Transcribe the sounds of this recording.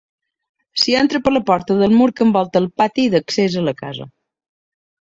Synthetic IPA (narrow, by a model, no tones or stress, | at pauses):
siɛnt̪ɾəpələpɔɾt̪əðəlˠmuɾkəmbɔlˠt̪əlˠpat̪iðəksezələka̰zə̰